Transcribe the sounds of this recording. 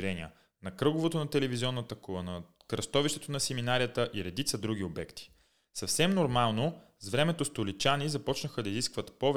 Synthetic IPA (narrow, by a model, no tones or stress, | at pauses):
ɾɛnḭə̰ | nɐkɾɤɡovot̪onɐt̪ɛlɛviziɔnːət̪əkuənɐ | kɾɐst̪ɔviʃt̪ɛt̪onɐsɛminaɾiət̪əʔiɾɛd̪it̪səd̪ɾuɡ̟iobɛkt̪i̥ | sɐfsɛmnoɾmalˠno | zvɾɛmɛt̪ost̪olit͡ʃanizɐpɔt͡ʃnəxəd̪ɐiziskvət̪pɔv